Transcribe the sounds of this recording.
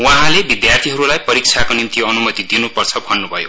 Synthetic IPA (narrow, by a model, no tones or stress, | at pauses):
wãɦãlebid̪jart̪ʰiɦʌɾulajpʌɾik̚t͡sʰakonimt̪iʌnumʌt̪id̪inupʌrt͡sʰʌbʱʌnːubʱʌjo